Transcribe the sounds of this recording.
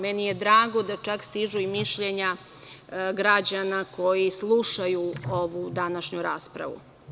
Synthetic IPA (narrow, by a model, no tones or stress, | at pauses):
menijed̪ɾaːɡo̞d̪at͡ʃakst̪iʒuimiʃʎeɲa | ɡɾad͡ʑanako̞jislˠuʃajuoʋud̪anaʃɲuɾaːspɾa̰ʋṵ